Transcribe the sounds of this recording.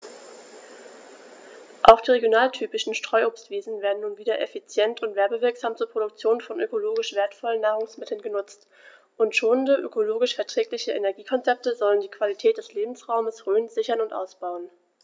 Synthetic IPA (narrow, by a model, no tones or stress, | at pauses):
ʔaʊxd̥iːʁeɡjonaːltʰyːpɪʃn̩ʃtʁ̥ɔʏʔoːpstv̥iːzn̩veːɐdn̩nːuːnviːdɐʔefit͡sjɛntʰʊntv̥ɛɐbəvɪɐkz̥aːmt͡suːɐpʁ̥oɾʊk̚t͡sjoːnfɔnʔø̰koloːɡɪʃv̥eːɐtfɔlənːaːʁʊŋsmɪtʰl̩nɡənʊt͡st | ʔʊntʃoːəndəʔø̰koloːɡɪʃfɛɐtʁ̥ɛːklɪçəʔḛnɛɐɡiːkʰɔnt͡sɛp̚təzɔləndiːkv̥alitʰɛːt̚d̥ɛsleːbm̩sʁaʊməsʁøːnz̥ɪçɐnʊntʔa̰ʊsb̥aʊən